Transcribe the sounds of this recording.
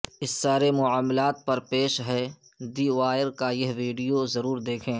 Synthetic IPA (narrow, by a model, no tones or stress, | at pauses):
ɪsːaːɾemʊaːmlaːt̪̚pɐɾpeːʃɦɛ | d̪iːʋaːjəɾkajɐɦʋiːɖijozɐɾuːɾd̪eːkʰẽː